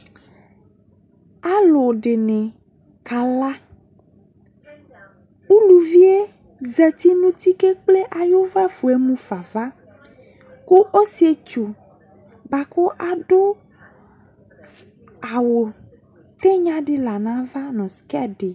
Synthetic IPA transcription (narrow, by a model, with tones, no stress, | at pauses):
a˦lo˨ɖe˨nẽ˨ | ka˨la˦ | u˦lu˨vi˦e˦ | zɛ˨t̪i˦nũ˦t̪i˦ke˦k͡ple˦ʔa˨jo˦va˦fu˨e˦mũ˦fa˨va˦ | ko˦ʔo˦si˨˦e˦t͡ʃu˨ | ba˨ko˦ʔa˨ɖo˦ | a˨wo˨ | t̪e˦ɲã˦ɖe˦la˨nã˦va˦nɔ̃˨skɛ˦ɖe˨